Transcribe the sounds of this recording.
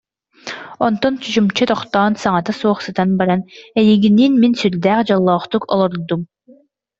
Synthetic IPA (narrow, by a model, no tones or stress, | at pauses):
ɔnt̪ɔnt͡ɕyt͡ɕumt͡ɕɯt̪ɔχt̪ɔːnsaŋat̪asuɔχsɯt̪anbaɾanɛjiɡinːiːnminsyld̪æːχd͡ʑɔlˠːɔːχt̪ukɔ̰lˠɔɾd̪um